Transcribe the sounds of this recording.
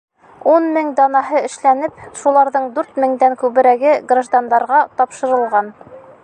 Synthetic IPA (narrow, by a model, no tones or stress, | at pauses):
unmɘŋd̪ɑnɑɦɤɘ̆ʃlænɘpʃulˠɑɾðɤɴd̪ʉɾt̪mɘ̆ŋd̪æŋkʉβɘ̆ɾæɡɘɡraʒd̪and̪ɑɾʁɑt̪ɒpʃɤ̆ɾɤ̆lˠʁɑn